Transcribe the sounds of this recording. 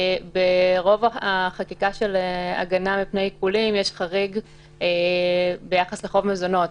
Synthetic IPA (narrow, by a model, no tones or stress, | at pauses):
beʁo̞vaaχakikaʃelea̰ɡanamipnejkulimjeʃχaʁiɡ | ebe̞jaχasleχo̞vmezo̞no̞t